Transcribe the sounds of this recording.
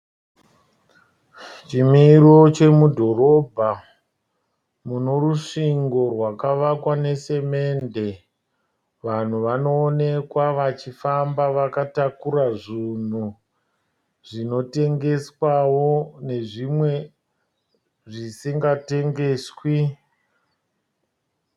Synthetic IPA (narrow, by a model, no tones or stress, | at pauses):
t͡ʃimirot͡ʃemudʱo̞ɾo̞bʱa | muno̞ɾuʂiŋɡo̞rwakaʋakwane̞se̞me̞ːnde̞ | ʋan̤uʋano̞ːne̞kwaʋat͡ʃifambaʋakatakuɾaʐin̤u | ʐino̞te̞ŋɡe̞swawo̞ne̞ʐimwe̞ | ʐisiŋɡate̞ŋɡe̞swi